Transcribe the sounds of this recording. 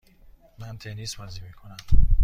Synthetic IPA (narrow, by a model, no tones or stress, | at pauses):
mænt̪ʰenisbɒzimiːkʰonæm